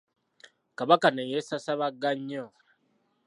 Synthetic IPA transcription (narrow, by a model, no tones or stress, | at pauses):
kaβakanejesasaβaɡːaɲːo